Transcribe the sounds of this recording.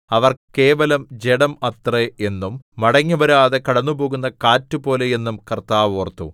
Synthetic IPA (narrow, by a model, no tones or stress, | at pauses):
ɐʋɐrke̞ːʋɐlɐmd͡ʑe̞ɽɐmɐt̪ree̞nːumːɐɽɐŋːuʋɐɾaːðe̞kɐɽɐnːubo̞ːɣun̪ːɐkaːtːubo̞ːle̞je̞nːumkɐrt̪aːʋoːrt̪ːṵ